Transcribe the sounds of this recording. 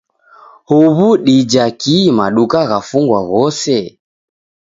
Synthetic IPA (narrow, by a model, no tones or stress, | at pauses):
huβuɗid͡ʒakimaɗukaɣafuŋɡwaɣɔsɛ